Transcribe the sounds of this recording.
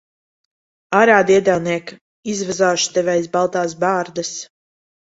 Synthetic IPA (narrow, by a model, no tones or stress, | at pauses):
aɾaːd̪iɛd̪alˠniɛk | izvɛzaːʃu̥t̪ɛvʲɛjsbalˠt̪aːs̬baːɾd̪ɨs